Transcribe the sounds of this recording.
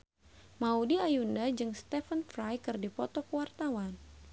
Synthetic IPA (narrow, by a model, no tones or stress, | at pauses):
maudiajundad͡ʒɨŋst̪ɛfənfɾajkɨrdipɔt̪ɔkwart̪awan